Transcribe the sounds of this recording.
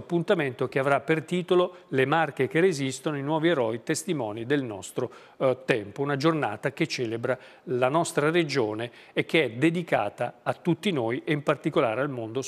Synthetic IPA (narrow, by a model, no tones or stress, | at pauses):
pːunt̪ament̪ok̟eavɾapːert̪iːt̪ololemarkek̟erezist̪onoinwɔːvieɾɔjt̪est̪imɔːnid̪elnɔ̰st̪ɾo | t̪ɛmpounad͡ʒorna̰ːt̪ak̟et͡ʃːɛːlebɾa | lanɔst̪ɾaɾed͡ʒoːneː | k̟ːeɛd̪ed̪ika̰ːt̪aːt̪ːut̪ːinoːjeimpart̪ikola̰ːɾealmond̪o